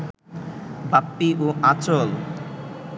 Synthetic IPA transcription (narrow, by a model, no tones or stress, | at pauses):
bapːiʔoʔat͡ɕol